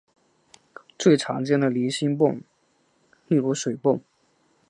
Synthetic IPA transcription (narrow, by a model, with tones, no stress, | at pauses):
t͡swe˥˩ɪʈ͡ʂʰɑ̰˧˥ŋt͡ɕjɛ˥nd̪ə˨li˧˥ɕi˥npʊ̰˥˧˩ŋ | li˥˧lu˥ʂwe˨˩ɪpʊ˥˩ŋ